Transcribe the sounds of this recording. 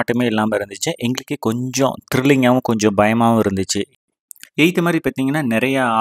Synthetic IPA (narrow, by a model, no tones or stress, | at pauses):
ʈːɯmeːɛlːaːmɐɪɾɯnd̪ɯt͡ʃːɐʔɛŋɡɐɭɯkːɯkɔɲd͡ʒɔ̰̃t̪ɪɾɪlːɪŋaːʋɯ̃kɔɲd͡ʒɔ̃bɐjɐmaːʋɐ̃ɪɾɯnd̪ɯt͡ʃːɯ | eɪt̪ːɯmaːd̪ɾipaːɾt̪iːŋɡɐnːaːnɛɾɐjɐaː